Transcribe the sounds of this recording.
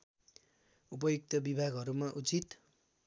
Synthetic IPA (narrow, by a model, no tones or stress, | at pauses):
up̬ʌjuk̚t̪ʌbibʱaɡʱʌɾumaʔut͡sit̪